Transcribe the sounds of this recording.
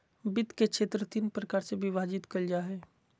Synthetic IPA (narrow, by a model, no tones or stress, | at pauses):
bɪt̪kekʃʰeːt̪ɾət̪inpɾəkaːɾsebʱiʋaːd͡ʒɪt̪kəld͡ʒaɦɛː